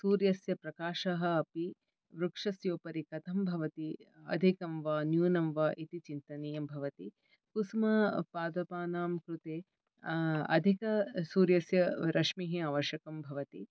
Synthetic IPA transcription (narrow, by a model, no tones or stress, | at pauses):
suːɾjɐsjɐpɾɐkaːʃɐɦɐɐpi | ʋɾukʂɐsjoːpɐɾikɐt̪ʰɐmbʱɐʋɐt̪iɐ̰d̪ʱikɐmʋaːnjuːnɐmʋaːʔit̪it͡ʃint̪ɐniːjɐmbʱɐʋɐt̪i | kusmɐpaːd̪ɐpaːnaːmkɾut̪eː | ɐ̰d̪ʱikɐsuːɾjɐsjɐɾʔɐʂmiɦiaːʋɐʃjɐkɐmbʱɐʋɐt̪i